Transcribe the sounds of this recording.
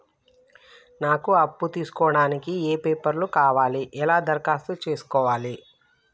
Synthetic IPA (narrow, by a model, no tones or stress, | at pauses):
naːkuɐpːut̪iːsu̥kɔːɽaːnikieːpe̞ːpɐɾlukaːʋaːliʔɛlaːd̪ɐɾkaːst̪ut͡ʃe̞ːsu̥kɔːʋaːli